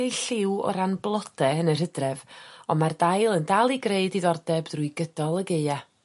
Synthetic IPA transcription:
ɬɪwɔ̰ɾanblˠɔdʰɛənərədrɛvɔmardajlˠəndalˠiɡreɨdiðɔrdɛbdruɨɡədɔlˠəɡeɨa

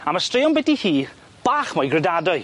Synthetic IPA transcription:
amastrɪjɔnbɛdihiː | b̥aːχmɔjɡrɛdadɔɨ

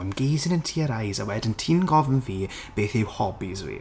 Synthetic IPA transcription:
amɡ̥ejzɪnəntʰiːəɾajzawɛdəntʰinɡɔvənviː | b̥eːθɪwhɔbizwḭ

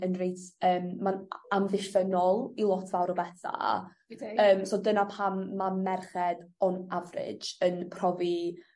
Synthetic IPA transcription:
ənrejtəːmːanamvɪʃvənɔlˠilˠɔtʰvawɾɔbɛtʰa̰ | əːmsɔdənapʰamːamɛrχɛd̥ɔnavrɪ̰̥d͡ʒənpʰrɔvi

